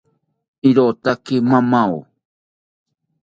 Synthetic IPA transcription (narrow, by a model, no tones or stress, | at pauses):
iɾot̪akɪmamaw